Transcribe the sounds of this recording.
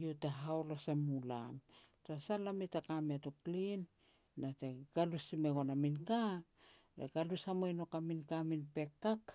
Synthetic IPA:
joteɦaolosemula̰mtasalamitakamiatoklinː | ateɡ̥alusimeɡonaminka | ɾḛɡalusamojno̞kaminkaminpe̞kːak

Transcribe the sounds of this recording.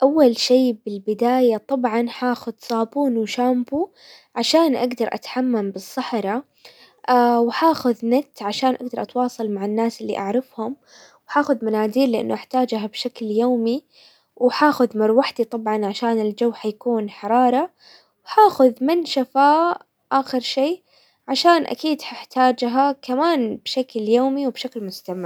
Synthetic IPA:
ʔawːalʃiːbɪlbɪd̪aːjat̪ˤɑbʕɑnħaːxʊðsˤɑːbuːnwʃaːmbu | ʕaʃaːnʔaɡd̪ɑɾˤʔa̰t̪ħamːambɨsˤːɑħɾˤɑ | awħaːxʊðnat̪ːʕaʃaːnʔaɡd̪ɑɾˤʔɑt̪wɑːsˤɑlmaʕanːaːsɪlːḭʔaʕɾɪfhʊm | wħaːxʊðmanaːd̪iːɾlɪʔa̰nːuʔaħt̪aːd͡ʒhabʃakljoːmi | wħaːxʊðmɑɾwaħd̪it̪ˤɑbʕɑnʕaʃaːnɪld͡ʒawːħajakuːnħɑɾˤɑːɾˤɑ | wħaːxʊðmɪnʃafaː | ʔaːxɪɾʃeː | ʕaʃaːnʔa̰kiːd̪ħaħt̪aːd͡ʒɦakamaːnbʃakljoːmiwbʃaklmʊst̪amɪɾ

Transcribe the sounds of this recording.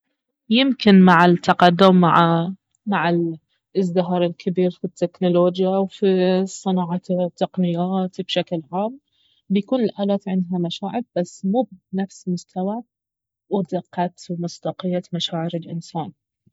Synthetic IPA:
jɪmkɪnmaʕɪt̪ʰːɑqɑd̪ːʊmː | maʕɪl | ɪzd̪ɪɦɑɾˤɪlkʰɪbiːɾfit̪ːeknʊloːd͡ʒjawfisˤɨnɑːʕɑt̪ːɑqnɪjaːt̪bʃaklʕaːm | bjakuːnɪlʔaːlaːt̪ʕɪnd̪ɦamaʃaːʕɪɾb̥asːmuːbnafsmʊst̪ʰawa | wd̪ɪqːɑt̪wmʊst̪ɑqɪjːamaʃaːʕɪɾɪlʔɪ̰nsaːn

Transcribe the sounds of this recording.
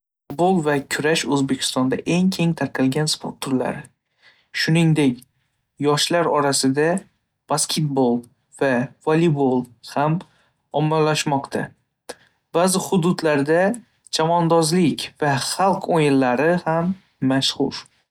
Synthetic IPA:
fʊt̪bolˠvakʲʰʊɾaʃɵzbe̞kʲʰɪ̥st̪ɒnd̪aʔe̞ŋkʲʰe̞ŋt̪ʰaɾqʰɨlˠɡʲanspʰo̰ɾt̪ʰːʊɾla̰ɾɪ | ʃʊnɪŋd̪ekʲ | jɒʃlaɾɒɾasɪd̪a | b̥askʲʰe̞t̪̚bolˠ | vav̥olibolˠham | ɒmːalːaʃmɒqt̪ʰa̰ | b̥azɪχʊd̪ʊd̪laɾd̪a | d͡ʒamɒnd̪ɒzlɪkʲvaχɑlˠqʰojɪllːaɾɪhamː | aʃχʊ̰ɾ

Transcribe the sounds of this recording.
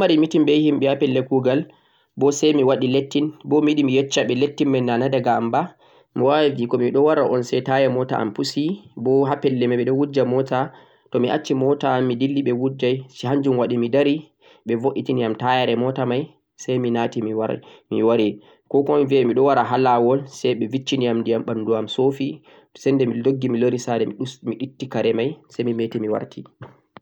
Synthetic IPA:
maɾimitimɓɛjhimɓɛhapɛlːɛkuɡal | bɔsɛjmiwaɗiletːinbɔmiɗimijɛt͡ʃːaɓɛletːimɛnːanadaɡamba | miwavikɔmiɗɔwaɾaʔɔnsɛjtajɛmɔta̰a̰mpusibɔɦapɛlːɛmaɓɛɗɔwud͡ʒamɔta | tɔmiʔat͡ʃːimɔtaːmːidilːiɓɛwud͡ʒajsɦaɲd͡ʒumwaɗimidaɾi | ɓɛvoʔːitiniamtajaɾɛmɔtamaj | sajminatiiwamiwaɾi | kɔkɔnvɛmiɗɔwaɾaɦalawɔlsɛjɓɛvit͡ʃːiniamndiamɓanduamsofi | sɛndɛmidoɡːimiloɾisadɛmiɗitːikaɾɛmajsɛjmimɛtɛmiwa̰ɾtʰi

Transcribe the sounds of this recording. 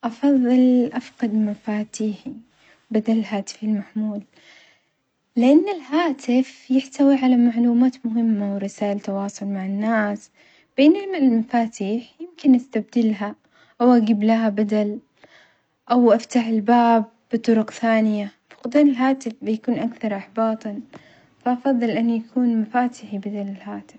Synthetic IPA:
ʔɑfɑðˤːɨlʔafqɑd̪mafaːt̪iːħi | bad̪alɪlɦaːt̪ɪ̥fɪlmaħmuːl | ɪʔanːɪlhaːt̪ʰɪfjɪħt̪awiʕalamaʕluːmaːt̪mʊɦɪmːawɪɾɪsaːʔɪlt̪ɑwɑːsˤʊlmaʕɪnːaːs | b̥eːnhɪmalmafaːt̪iːħjɪmkɪnʔast̪ab̚d̪ɪlɦa | ʔawʔaɡiːblaɦabad̪al | ʔawʔaft̪aħɪlbaːbːɨt̪ˤʊɾʊqθaːnɪjafɑ̥qd̪aːnɪlɦaːt̪ɪfbɪjakuːnʔakθɑɾˤʔɑħbɑːt̪ˤɑn | faʔɑfɑðˤːɨlʔanːjakʰuːnmafaːt̪ɪħibad̪alɪlhaːt̪ɪf

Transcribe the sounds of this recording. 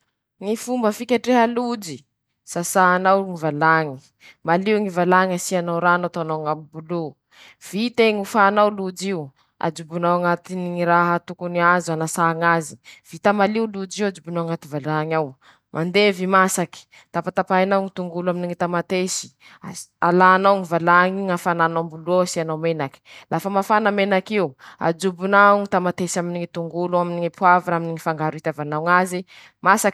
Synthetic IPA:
ŋifumbəfikʲaʈ͡ʂeɦəlud͡ʒi | sasaːnawŋivalaŋi | maliuŋivalaŋasianawɾanawt̪anaŋapibulu | v̥it̪eŋufaːnawlud͡ʒiu | a̰d͡ʒubunawaŋat̪iniŋiɾaɦat̪ukuniazanasaŋazi̥v̥it̪amaliulud͡ʒiwad͡ʒubunawaŋat̪ivalaŋaw | mʔand̪evimasaki̥ | t̪apat̪apainawŋit̪uŋɡuluaminiŋit̪amat̪esi̥ | alanawŋivalaŋiŋafananambulosianawmenaki̥lafəmafanamenakiwua̰d͡ʒubunaŋit̪amat̪esiaminiŋit̪uŋɡuluaminiŋipuaviɾaminiŋifaŋɡaɾuit̪avanawŋazi | masak

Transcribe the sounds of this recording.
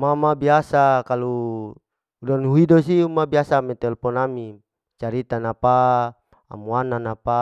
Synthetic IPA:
mamabiasakalu | udanɦuidɔsiumabiasamɛt̪ɛlpɔnami | t͡ʃaɾit̪anapa | a̰muananapa

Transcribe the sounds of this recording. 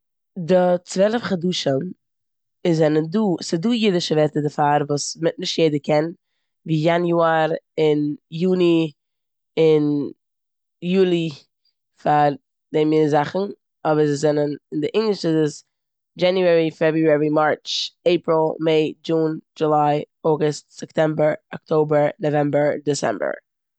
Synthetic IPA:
dɪt͡svɛlˠəfχaduːʃən | ɪzːɛnənduːsɪduːjɪdɪʃəvɛɾtədɪfaɾvuːsmɪt̚nɪʃtjeɪdəkɛn | viːjanjuaɾɪnjuːni | ɪn | juːlˠi | faɾ | d̥ɛmɪnəzaχn̩ | ɔbəɾzɪzɛnənɪndɪʔɪŋɡlˠɪʃɪzɪs | d͡ʒɛnjuɛɾifɛbɾuɛɹimaɹt͡ʃeɪpɾɪlˠmeɪd͡ʒuːnd͡ʒʊlˠaɪ | ɔɡʊstsɛptɛmbəɹɔktʰoʊbəɹnɔvɛmbəɹdɪsɛ̰mbə̰ɹ

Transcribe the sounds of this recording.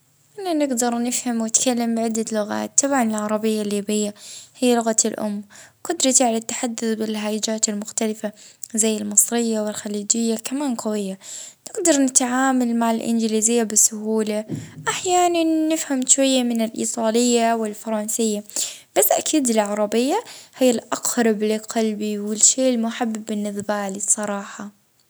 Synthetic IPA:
ʔananɪɡd̪ɑɾˤnɪfhamwɪt̪kalːambɪʕɪd̪ːalʊɣa̰ːt̪ːɑbʕanɪlʕɑɾˤɑbɪjːalːiːbɪjːahɪjːalʊɣaɪlʔʊ̰mːqʊd̪ɾˤɑt̪iʕalat̪ːḁħad̪ːʊθbɪlɦaːʔɪd͡ʒaːt̪ɪlmʊxt̪alɪfazajːɪlmɨsˤɾɪjːawɪlxaliːd͡ʒɪjːakamaːnqawɪjːanɪɡd̪ɑɾˤnɪt̪ʕaːmalmaʕalʔɪ̰nd͡ʒlizɪjːabɪsʊhuːlaʔaħjaːnanːɪfhamʃwajːamɪnɪlʔḭːt̪ˤɑːlɪjːawɪlfɑɾˤɑnsɪjːab̥asːʔakʰiːd̪ɪlʕɑɾˤɑbɪjːahɪjːalʔɑqhɾˤɑblqɑlbiwɪlʃeːʔɪlmʊħabːɪbːɪnːɪðbaːlisˤɑɾˤɑːħɑ

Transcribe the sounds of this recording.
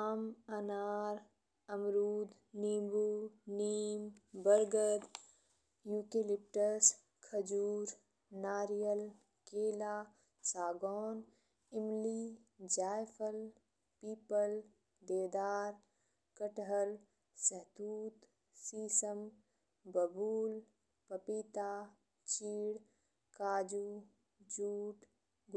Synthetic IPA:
aːmɐnaːɾ | ɐmɾuːd̪ | niːmbuniːmbɐɾɡəd̪ | juːkelɪp̚ʈəs | kʰɐd͡ʒuːɾ | naːɾijəl | keːlaː | saːɡɔːn | ɪmliː | d͡ʒaːjfʰəl | piːpəl | d̪eːd̪aːɾ | kəʈɦəl | səɦt̪uːt̪ | siːsəm | bɐbuːl | pɐpiːt̪aː | t͡ʃiːɽ | kaːd͡ʒu | d͡ʒuːʈ | ɡ

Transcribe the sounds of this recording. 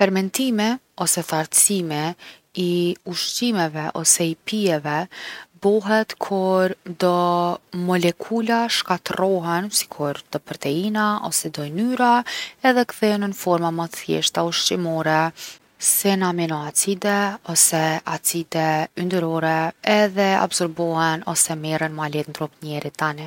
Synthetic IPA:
fɛɾmɛnt̪imɛ | ɔsɛθaɾt͡simɛ | iuʃtimɛvɛʔɔ̰sɛipiɛvɛbɔɦɛt̪kʰuɾd̪ɔmɔlɛkʰulaʃkat̪rɔɦɛnsi̥kʰuɾd̪̥ɔpɾɔt̪ɛinaʔɔ̰sɛd̪ɔjnyɾaɛðɛkθɛnənfɔɾmamat̪əθjɛ̰ʃt̪auʃt͡ʃimɔɾɛ | sɛnaminɔat͡sid̪ɛɔsɛat͡sid̪ɛynd̪əɾɔɾɛɛðɛa̰bzɔɾbɔhɛnɔ̰sɛmɛɾənmalɛt̪nd̪ɾup̪nɛɾit̪anɛ

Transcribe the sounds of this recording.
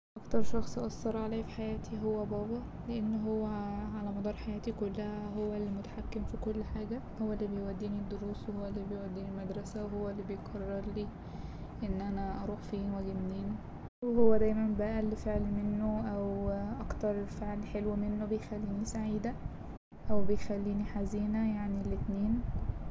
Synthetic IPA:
ʔʔɑkt̪ɑɾˤʃɑxsˤʔɑsˤːɑɾˤʕalæːfi̥ħajæːt̪ʰiɦowːæbɑːbɑ | leʔenːɦowːæʕalæmɑd̪ˤɑːɾˤħajæːt̪ikolːæhæɦowːælːimot̪ḁħakːemfikolːħaːɡæhowːælːibejwæd̪ːiːnid̪ːoɾuːswehowːælːibejwæd̪ːiːnilmæd̪ɾˤɑsæweɦowːælːibejqʰɑrːɑɾliː | ʔenːʔænæʔɑɾˤuːħfiːnwæɡed̪niːn | weɦowːæd̪æjmænbæʔælːfeʕlmenːoʔæwʔɑkt̪ɑɾˤefeʕlħelwæmenːobejxælːiːnisaʕiːd̪æ | ʔæwbejxælːiːniħaziːnæjaʕnilːet̪neːn

